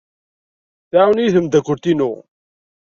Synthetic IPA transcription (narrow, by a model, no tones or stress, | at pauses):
θaʕwnjiθəmd̪ækʷːʊɾt̪inṵ